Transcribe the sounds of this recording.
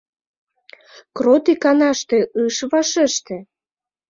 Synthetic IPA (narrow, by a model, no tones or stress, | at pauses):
krot̪ikɑnɑʃt̪eʔɯʃβɑʃeʃt̪ĕ